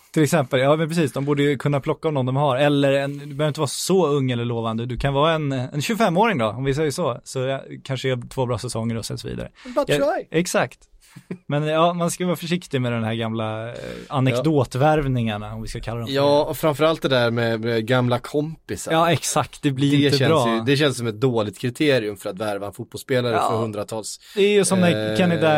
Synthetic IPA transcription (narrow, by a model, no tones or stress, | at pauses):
t̪ʰɪlɛksɛmpəljɑːmɛnpɾɛs̬iːsd̪ɔmbuːɖəjɵkʰɵnːapʰlɔkːaɔmnɔnd̪ɔmɦaɾɛlːəɾɛnd̪ɵbœːvɾɪt̪əvɑːɾsɔɵŋːɛlːəɭoːvand̪əd̪ɵkʰanvɑːɛnɛ̰nɕɵɡfɛmːoːɾɪŋd̪ɔɔmvɪs̬ɛjːəsɔsɔkʰanʂəɛat̪ʰvoːbɾɑːsɛsɔŋːəɾɔsɛ̰sɔvḭːd̪a̰ɾə̰ | ʔɛksakt̪ | mɛnjɑːmanskajəvɑːfœʂɪkt̪ɪmɛd̪ɛmɦæːɾɡamlaanɛkd̪oːt̪væɾvnɪŋaɳaɔmvɪskakʰalːad̪ɔjɑːɔfɾamfœɾalt̪̚d̪ɛd̪æɾmɛmɛɡamlakʰɔmpɪsaɑːɛksak̚t̪d̪ɛblɪɾɪnəɛbɾɑːjd̪ɛɕ̬ɛnsɔmɛt̪̚d̪oːlɪɡ̚t̪kʰɾɪt̪ʰeːɾɪɵmfœɾat̪væɾvaɛnfut̪̚b̥ɔlspeːlaɾəpːɔhɵnd̪ɾat̪ʰɑːlsd̪ɛæɾjɵsɔmɛkʰanɪd̪a